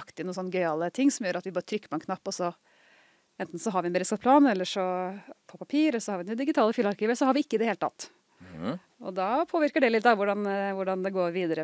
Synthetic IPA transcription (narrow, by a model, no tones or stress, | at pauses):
kt̪ɪnuːsɔnːɡœʏɑlət̪ʰɪŋːsɔmjøːɾɑt̪ʋɪbɑːɾət̪ʰɾʏkːəpʰɔɛnkʰnɑpːɔsɔ | ɛnt̪n̩sɔɦɑɾʋɪɛnbəɾɪskɑt̪pʰlɑːnɛlːəʂɔpʰɔpɑpʰiːɾɔsɔhɑɾʋɪnɛd̪ɪɡɪt̪ʰɑːləfyːlɑɾkʰiːʋəsɔhɑɾʋɪɪkːəɪd̪ɛheːlət̪ʰɑ̰t̪ː | ɔ̰d̪ɑpʰoːʋɪɾkəɖɛlɪt̪̚ːd̪ɑʋʊɖɑnʋʊɖɑnd̪ɛɡoːɾʋiːd̪əɾə